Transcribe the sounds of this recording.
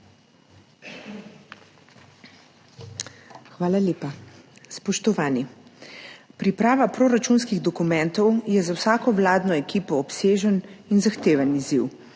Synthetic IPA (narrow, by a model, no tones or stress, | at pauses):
xʋaːlaleːpaspɔʃt̪ɔʋaːni | pɾipɾaːʋapɾoːɾat͡ʃunskiɣd̪ɔkumɛ̃nt̪ɔwjɛzawsaːkɔʋlaːd̪nɔɛkiːpɔːpseːʒəninzaxt̪eːʋanizḭw